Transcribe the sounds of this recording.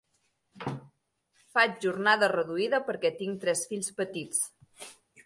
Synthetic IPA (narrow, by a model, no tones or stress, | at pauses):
fad͡ʒʒuɾnaðərəðuiðəpəɾkɛt̪iŋt̪ɾɛsfiʎspət̪it͡s